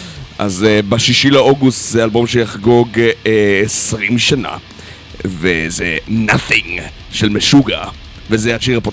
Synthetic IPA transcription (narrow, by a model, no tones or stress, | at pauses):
ʔa̰zbaʃiʃileoɡustzealbo̞mʃejaχɡoɡesʁimʃana̰ | vezenaθĩŋ | ʃelmeʃuɡa | vezejaʃiʁapo